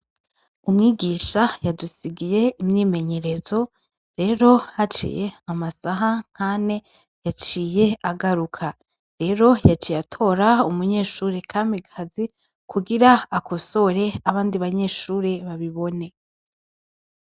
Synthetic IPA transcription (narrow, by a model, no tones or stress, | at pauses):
umŋiːɡiːʃajadusiɡije̞imɲiːme̞ɲe̞ɾe̞zo̞ | ɾe̞ːɾo̞hat͡ʃḭje̞amasaɦaŋ̥hane̞ | jat͡ʃiːje̞aɡaɾukʰa | ɾe̞ɾo̞jat͡ʃiːjatʰo̞ɾaumuɲe̞ːʃuːɾekʰamiɡʰazi | kʰuɡiɾaːkʰo̞so̞ɾe̞aβaːndiβaɲe̞ʃuːɾeβaβiβo̞ne̞